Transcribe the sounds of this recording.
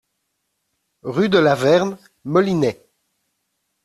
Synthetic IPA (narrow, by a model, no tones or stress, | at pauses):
ʁyd̪əlavɛʁn | mɔlinɛ